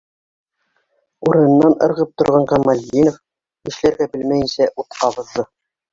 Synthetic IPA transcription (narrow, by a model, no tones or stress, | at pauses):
uɾɤ̆nɤ̆nːɑnɤ̰̆ɾʁɤp̚t̪ŏɾʁɑɴqɑmalʲinof | ɘ̆ʃlæɾɡæbɘlmæjɘ̆nsæʔut̪qɑβɤ̆ðːɤ